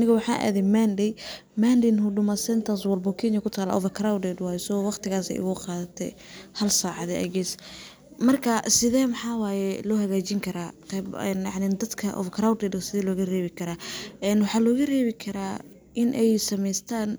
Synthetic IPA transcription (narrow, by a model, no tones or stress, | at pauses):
nɪɣɐwɑħɑ̰ːʔa̰ːðɛmandɛj | maːndɪnhʊɖʊmɐsɛnt̪ʰɐs̬wɐlbɔkʰinjɐkʰʊt̪ʰaːlɐ̰ʔɔ̰vɐkɾawd̪ɛd̪waːjɛsɔwɑqt̪ʰɪɣaːsɛ̰jʔʊ̰ɣʊqɑːðɐt̪ʰɛ̰hɐlsaːʕɑðɛʔɐ̰ɡɛs | mɐrkʰɐsɪðɛːmɑħɑːwaːjɛlɔːhɐɣaːt͡ʃɪŋkʰɐɾaːt̪ʰɐɛ̰njɑʕnɪd̪ɐd̪kʰɐʔɔ̰vkʰɾawd̪ɛd̪ɐsɪðɛːlɔːɣɐrɛːβɪkʰɐɾaːʔɛnwɑħɑːlɔːɣɐrɛːβɪkʰɐɾaː | ʔɪnʔɛjsɐmɛjst̪ʰaːn